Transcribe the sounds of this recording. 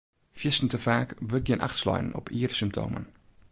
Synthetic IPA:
fjisn̩təfaːkvək̚ənʔa̰χtslɔ̰jən̩ɔ̰piːərsymp̚tʰo̰ːmə̰n

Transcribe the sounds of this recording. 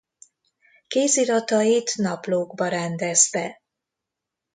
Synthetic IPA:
keːziɾɒt̪ɒjit̪nɒploːɡbɒɾɛnd̪ɛst̪ɛ

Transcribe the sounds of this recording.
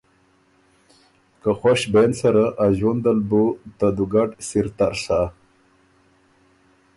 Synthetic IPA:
kaxoɕbensɐɾaʔaʑond̪əlbut̪ad̪uɡaʈsiɾt̪aɾsa

